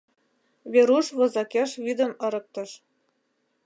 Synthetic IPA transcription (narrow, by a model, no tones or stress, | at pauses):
βʲeɾuʃβɤ̆zɑkʲeʃβʲid̪ə̆mɤ̆ɾɤ̆k̚t̪ɤ̆ʃ